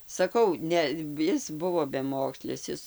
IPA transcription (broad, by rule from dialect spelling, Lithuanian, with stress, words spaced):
sɐˈkɐʊ ˈnʲɛ ˈɪs ˈbʊʋoː bʲɛˈmoːksʲlʲɪs ˈɪs